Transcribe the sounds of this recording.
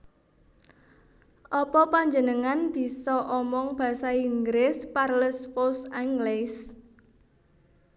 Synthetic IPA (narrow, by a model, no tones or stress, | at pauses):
ʔɔpɔpaɲd͡ʒənəŋanb̥i̤sɔʔɔmɔŋb̥ä̤saiŋɡɾɪsparləspɔsaŋɡles